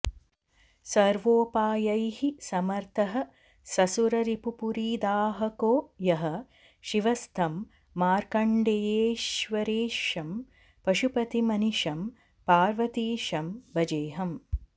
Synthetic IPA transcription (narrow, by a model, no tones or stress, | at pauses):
sɐɾʋoːpaːjɐjhisɐmɐɾt̪ʰɐɦɐ̆ | sɐsuɾɐɾipupuɾiːd̪aːɦɐkoːjɐɦɐ̆ | ʃiʋɐst̪ʰɐmː | aːɾkɐɳɖejeːʃʋɐɾeːʃɐm | pɐʃupɐt̪imɐniʃɐm | paːɾʋɐt̪iːʃɐmbɐd͡ʒeːɦɐm